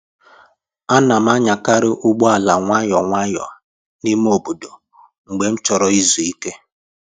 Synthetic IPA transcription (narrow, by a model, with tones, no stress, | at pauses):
a˦na˨m̩˦a˦ɲa˨ka˦ɾɪ˦ʔʊ˦ɡ͡bɔ˦a˨la˨ŋʷa˦ɲɔ˨ŋʷa˦jɔ̰˨a˨ | ni˦m˦o˦˨bu˨do˨ | ŋ͡m̩˨ɡ͡be˨m̩˦t͡ʃɔ˨ɾɔ˨i˦zu˨i˦ke˦